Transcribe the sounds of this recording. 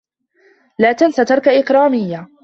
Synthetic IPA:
laːt̪ansat̪ɑɾˤkaʔɪqɾˤɑːmɪjːa

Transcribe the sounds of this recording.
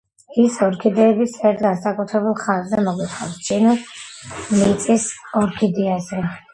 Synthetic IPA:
isɔɾkʰid̪ɛːbisʰɛɾt̪ɡansakʼut̪ʰɾɛbulˠχanzɛmɔɡit̪ʰχa̰vst͡ʃʼinɔs | lit̪sʼisɔɾkʰid̪iazɛ

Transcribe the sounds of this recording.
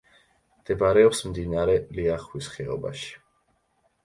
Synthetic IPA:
md̪̥ɛbaɾɛɔpsmd̪inaɾɛliaχwisχɛɔ̰ba̰ʃi̥

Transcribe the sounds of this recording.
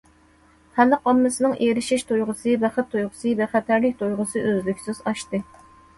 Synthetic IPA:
hælːɨqʰɑmːɨsɨnɨŋʔeɾɪʃiʃt̪ʰojʁəsɨbɛχɪt̪ʰːojʁʊsɨvɛχæt̪ʰæɾlɪk̚ʲt̪ʰojʁʊsɨʔøzlykʲsɪzɑʃt̪ɨ

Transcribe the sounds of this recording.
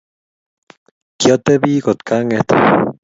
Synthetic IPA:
kjot̪ebikot̪kaŋet̪

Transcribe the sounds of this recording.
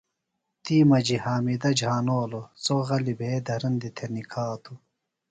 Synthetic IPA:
t̪iːmɐd͡ʑihaːmid̪ɐd͡ʑʱaːnoːlot͡soɣɐlibʱeːd̪ʱɐɾɐnd̪it̪ʰenikʰaːt̪ʰu

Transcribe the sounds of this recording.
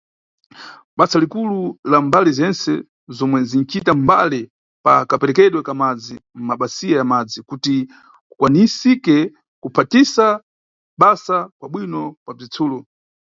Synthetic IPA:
ɓasalikululambalizɛnsɛ | zɔmwɛzin̩t͡ʃitamba̰li | pakapɛɾɛkɛɗwɛkamad͡zim̩maɓasijajamad͡zikuti | kukwanisikɛ | kupʰatisa | ɓasakwaɓwinɔkwab͡ʐit͡sʰuːlu

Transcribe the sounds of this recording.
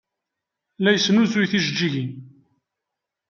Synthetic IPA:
læjəsnuθujθiʃd͡ʒːiʝin

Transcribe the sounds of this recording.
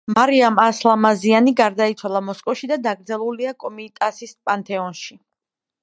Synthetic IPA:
maɾiamaslˠamazianiɡaɾd̪ait̪sʰwalˠamɔskʼɔfʃid̪ad̪aɡɾd̪zɛlˠuliakʼɔmiːt̪ʼasispʼant̪ʼʰɛɔnʃi

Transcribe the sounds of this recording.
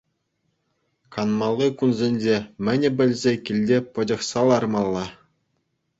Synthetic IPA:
kɑnmɑlˠːɯkunzʲenʲd͡ʑʲemʲɘ̆nʲɘ̆bʲɘ̆lʲzʲekʲilʲdʲepɤ̆d͡ʑɤ̆χsɑlˠɑrmɑlˠːɑ

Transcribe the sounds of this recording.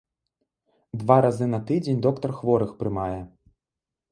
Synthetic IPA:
d̪vaɾazɨnɐt̪ɨd͡zʲenʲd̪ɔkt̪ɐrxvɔɾɨxpɾɨmajɛ

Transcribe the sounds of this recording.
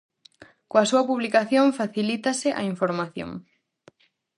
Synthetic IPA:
koɐsuɐpuβlikaθjoŋfaθilit̪asɪʔa̰iɱfoɾmaθjo̰ŋ

